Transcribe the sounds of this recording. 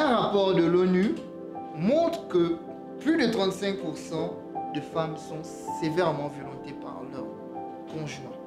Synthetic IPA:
ɛ̃ʁapɔʁd̪əlony | mɔ̃t̪χəkə | plyd̪ət̪χɑ̃t̪sɛ̃ŋk̚puʁsɑ̃ | d̪əfamsɔ̃ | sevɛʁmɑ̃vjɔlɔ̃t̪epa̰ʁlœ̰ʁ | kɔ̃ʒynɔ̃

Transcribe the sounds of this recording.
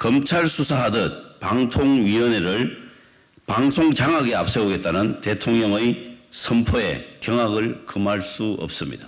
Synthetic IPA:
kʌmt͡ɕʰaɭsʰusʰaɦadɯnpaŋtʰoŋɥiʌneɾɯɭ | paŋsʰoŋt͡ɕaŋɦaɡea̰p̚s͈e̞oɡe̞t̚t͈anɯnte̞tʰoŋɲʌŋɯjsʰʌmpʰoḛkjʌŋaɡɯɭkɯmaɭs͈uʌ̰p̚s͈ɯmɲḭda

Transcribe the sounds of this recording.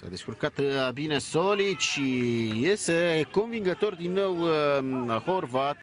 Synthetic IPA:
sa̰d̪eskurkat̪bine̞soliʃijest̪e̞ko̞nviŋɡət̪o̞rd̪inːo̞w | ho̞rvat̪

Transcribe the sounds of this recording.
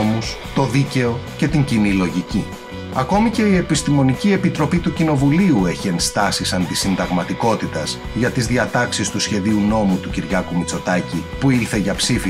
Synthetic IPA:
mus | t̪o̞ðice̞o̞ce̞t̪iɲɟinilo̞ʝici | ɐko̞miceie̞pist̪imo̞nicie̞pit̪ɾo̞pit̪ucino̞vuliue̞çie̞nst̪ɐsisɐnd̪isind̪ɐɣmɐt̪iko̞t̪it̪ɐz | ʝɐt̪izðiɐt̪ɐksist̪usçe̞ðiuno̞mut̪uciɾʝɐkumut͡so̞t̪ɐcipuiɾθe̞ʝɐpsifi

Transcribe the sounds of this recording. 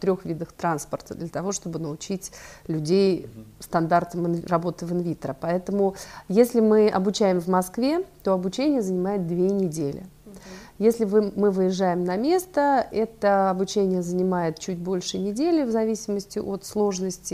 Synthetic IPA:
t̪ɾʲoxvʲid̪əxt̪ɾanspərt̪əd̪lʲət̪ɐvo̞ʂt̪o̞bɨnəʊt͡ɕitʲlʲʉdʲejst̪ɐnd̪art̪əmɨrɐbo̞t̪ɨvɨnvʲit̪əɾəpɐɛt̪əmʊjesʲlʲɪmɨʔɐ̰bʊt͡ɕæjɪmvmɐskvʲe̞t̪o̞ɐbʊt͡ɕenʲɪjəzənʲɪmajɪt̪̚d̪vʲenʲɪdʲelʲɪ̰ | jesʲlʲɪvɨmɨvɨjɪʐːajɪmnɐmʲe̞st̪əɛt̪əɐbʊt͡ɕenʲɪjəzənʲɪmajɪt̪̚t͡ɕut̚ʲbo̞lʲʂɨnʲɪdʲelʲɪvzɐvʲisʲɪməsʲtʲɪ̰ʔo̞t̪slˠo̞ʐnəsʲtʲɪ

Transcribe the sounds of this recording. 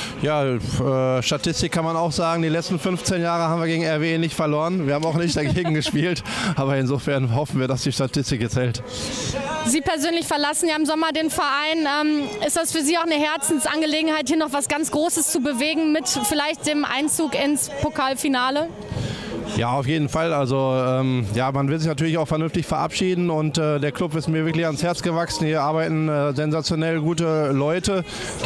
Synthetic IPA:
jaːʔɛːʃtatʰɪstɪkʰːanmanaʊxz̥aːɡŋ̩diːlɛt͡sstn̩fʏnft͡seːnjaːʁ̞əhaːmviɐɡeːɡŋ̩ɛɐveeːnɪçtfɛɐloːʁənviɐaːm̩aʊxnɪçtd̥aɡeːɡŋ̩ɡəʃpiːltʔaːβɐɪnzoːfɛɐnɦɔfn̩viːɐdasd̥iːʃtatʰɪstɪkjɛt͡shɛlt | ziːpʰɛɐzøːnlɪçfɛɐlasn̩jaːɪmzɔmɐdeːnfɛɐʔaɪnʔɛːmʔɪstd̥asfyːɐziːaʊxnəɦɛɐt͡sn̩sʔanɡəleːɡŋ̩haɪthiːɐnɔχv̥asɡ̥ant͡sɡ̥ʁoːsəst͡subəveːɡŋ̩mɪtfɪlaɪçt̚d̥eːmʔa̰ɪnt͡suːkɪnspʰokʰaːlfinaːlə | ja̰ːaʊfjeːdn̩falalzoʔɛːmjaːmanvɪlzɪçnatyɐlɪçaʊxfɛɐnʏnftɪçfɛɐʔa̰pʃiːdn̩ʊntɛːdeːɐkʰlʊpɪstmiːɐvɪɐklɪçanshɛɐt͡sɡ̥əvaksn̩viːɐʔaɐbaɪtn̩ɛːzɛnzat͡sjonɛlɡuːtəlɔʏtə

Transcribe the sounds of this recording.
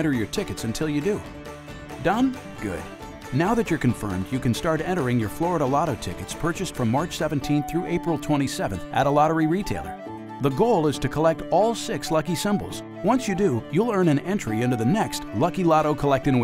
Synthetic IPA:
ɛ̃ɾ̃ə˞jə˞tʰɪkɨtsɨ̃ntʰɪlˠjɨdu | dʌ̃n | ɡ̥ʊ̰d̥̚ | naʊðɨt͡ʃə˞kɨ̃ɱfɜ̰̃˞mdjɨkɨ̃nstɑɹɾɛ̃ɾ̃ə˞ɪ̃ŋjə˞flɔɹəɾəlɑɾoʊtʰɪkɨtspʰɜ˞t͡ʃɨstfɹʌ̃mːɑɹt͡ʃsɛvɨ̃n̩tʰĩnθɹʉʔeɪpɹl̩ˠtʰw̥ɛ̃ɾ̃isɛvɨ̃n̩θʔɨɾəlɑɾə˞iɹitʰeɪlˠə̰˞ | ðəɡoʊlˠɪz̥tʰɨkʰəlɛk̚tɔlˠsɪkslʌkisɪ̃mbl̩ˠz̥ | wʌ̃nsjɨdɨjulˠɜ̃˞nɨ̃nɛ̃nt͡ʃɹ̥iɪ̃ndʉðɨnɛkstlʌkilɑɾoʊkʰəlɛk̚tɨ̃ŋw

